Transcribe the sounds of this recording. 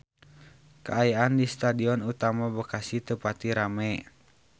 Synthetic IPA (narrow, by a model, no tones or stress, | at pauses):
kəajaʔandist̪adiɔnut̪amabəkasit̪əpat̪iɾamɛ